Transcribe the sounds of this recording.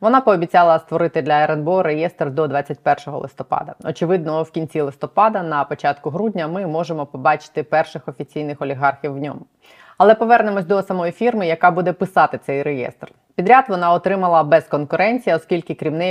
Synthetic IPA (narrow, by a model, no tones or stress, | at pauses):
ʋɔnɑpɔːbʲit͡sʲɑlˠɐst̪ʋɔɾɪt̪ɪd̪lʲɐɛɾɛnbɔɾejɛst̪rd̪ɔd̪ʋɑt͡sʲːɐt̚ʲpɛrʃɔɦɔ̰lˠɪ̰st̪ɔpɑ̰d̪ɐ̰ɔt͡ʃɪʋɪd̪̚nɔwkʲinʲt͡sʲilˠɪst̪ɔpɑd̪ɐnɐpɔt͡ʃɑt̪kʊɦɾudʲnʲɐmɪmɔʒemɔpɔbɑt͡ʃɪ̥t̪ɪpɛrʃɪxɔfʲit͡sʲijnɪxɔlʲiɦɑrxʲiwːnʲɔ̰mʊ | ɐlˠɛpɔʋɛrnemɔsʲd̪ɔsɐmɔjifʲirmɪjɐkɑbud̪ɛpɪsɑt̪ɪt̪sɛjɾejɛ̰st̪r | pʲid̪ɾʲat̪ʋɔnɑɔt̪ɾɪmɐlˠɐbɛzkɔnkʊɾɛnʲt͡sʲijɐɔskʲilʲkɪkɾʲimnɛj